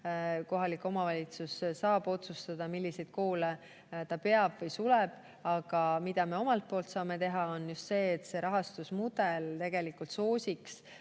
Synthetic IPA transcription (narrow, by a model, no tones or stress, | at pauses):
ko̞ɦɑlikːˑo̞mɑvɑlʲit̪sussɑːbo̞t̪sust̪ɑd̪̥ɑmilʲːisejd̪̥̚ko̞ːle | t̪ɑpe̞ɑb̥vɤjsulɛb̥ | ɑɡ̥ɑmid̪̥ɑme̞o̞mɑlt̪̚po̞ːlt̪sɑːme̞t̪e̞ɦɑo̞njust̪se̞ːt̪se̞ɾɑɦɑst̪usmud̪elt̪e̞ɡ̥e̞likːˑult̪so̞ːsʲiks